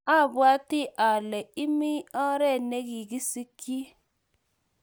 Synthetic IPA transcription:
a˦˨bwa˦tɪ˦ʔa˨lɛ˨i˦mi˦ɔ˦ɾɛ˦˨ne˦ɣi˨ɡi˦si˦ki˦

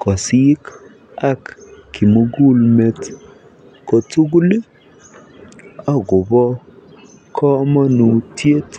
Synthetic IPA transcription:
kɔ˨si˦k | a˦kkːi˨mo˨ɡu˦lme˨t | kɔ˨tu˦ɡu˦li˦ | a˦ɡʊ˨bɔ˦ | kʰɔ˦ma˦nu˨tje˦t

